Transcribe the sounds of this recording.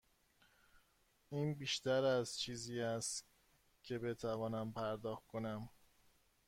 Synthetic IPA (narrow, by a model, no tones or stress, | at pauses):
ʔiːnbiːʃt̪æɾæzt͡ʃʰiːziːæst̪ | cʰe̞be̞t̪ʰævɒːnæmpʰæɾd̪ɒːxt̪̚kʰonæm